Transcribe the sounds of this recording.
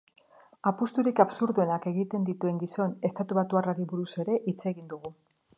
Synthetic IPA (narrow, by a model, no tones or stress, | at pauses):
apust̪uɾikaβsuɾðue̞nake̞ɣit̪e̞nd̪it̪ue̞ŋɡiso̞ne̞st̪at̪uβat̪uaraɾiβuɾuse̞ɾe̞ʔit͡se̞ɣind̪uɣu